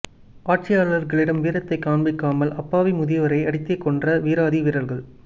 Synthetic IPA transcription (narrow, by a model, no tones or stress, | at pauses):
ʔaːʈ̚t͡ʃɪjaːɭɐɾɣɐɭɪɽɐmʋiːɾɐt̪ːɐɪkaːɳbɪkːaːmɐlʔɐpːaːʋimʊðɪjɐʋɐɾɐɪɐɽɪt̪ːeːkːɔɳdrɐʋiːɾaːðiʋiːɾɐlɣɐɭ